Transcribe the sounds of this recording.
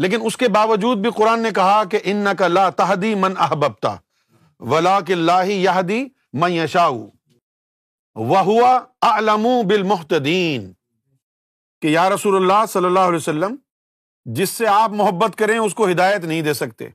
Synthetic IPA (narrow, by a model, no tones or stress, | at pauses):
leːk̬ɪnʊskebaːʋɐd͡ʒuːd̪̚bʱiqʊɾaːnːek̬ɐɦakeʔɪnːɐkɐlaːt̪ɐɦd̪imɐnɐɦbɐb̚t̪a̰ | ʋɐlaːk̬ɪlːaːɦɪjɐɦd̪i | mɐ̃njɐʃaːṵ | ʋɐɦʊʋɐɐʕlɐmubɪlmʊɦt̪ɐd̪iːn | kejaːɾɐsuːlɐlːaːsɐlːɐlːaːɦʊɐleːosɐlːəm | d͡ʒɪsːeaːpmʊɦɐbːət̪kɐɾẽʊs̬koɦɪd̪aːjət̪nɐɦĩd̪eːsɐk̚t̪ḛː